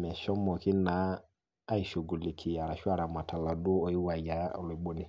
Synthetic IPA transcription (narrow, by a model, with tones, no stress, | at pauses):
mɛ˨ʃɔ˦mɔ˨ki˦naː˨˦ | i˨ʃo˨ɡu˨li˨kʰi˨ja˨ɾa˨ʃu˦a˦ɾa˨ma˨tʰa˨la˨du˦ɔ˨i˦wa˨ja˨˦ɔ̰˨li˨˦ɓo˦ni˨